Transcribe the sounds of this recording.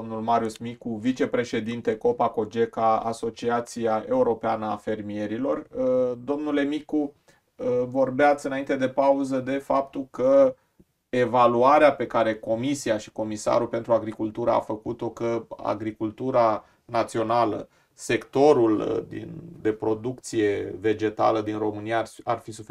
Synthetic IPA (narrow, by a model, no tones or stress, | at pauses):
omnulmaɾiusmikuvit͡ʃe̞pɾe̞ʃe̞d̪int̪e̞ko̞pako̞d͡ʒe̞kaa̰so̞t͡ʃiat̪sijae̞uɾo̞peanəafe̞rmie̞ɾilo̞rd̪o̞mnule̞miku | əvo̞rbeat̪sʲɨnaint̪e̞d̪e̞pauzəd̪e̞fap̚t̪ulkə | e̞valuaɾeape̞kaɾe̞ko̞misiaʃi̥ko̞misa̰ɾupe̞nt̪ɾuaɡɾikult̪uɾəa̰fəkut̪o̞kəa̰ɡɾikult̪uɾa | nat̪sio̞nalə̰ | se̞kt̪o̞ɾuld̪ḭnd̪e̞pɾo̞d̪ukt̪sije̞ve̞d͡ʒe̞t̪a̰ləd̪inro̞mɨnijaarfisufe